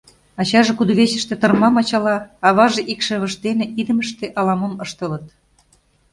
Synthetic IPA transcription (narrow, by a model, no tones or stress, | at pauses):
ɑt͡ɕɑʒekud̪oβeɕə̆ʃt̪ĕt̪ɤ̆rmɑmɑt͡ɕɑlɑɑβɑʒeʔikʃĕβə̆ʃt̪enĕʔid̪ə̆mə̆ʃt̪eʔɑlɑmomɤʃt̪ə̆lə̆t̪̚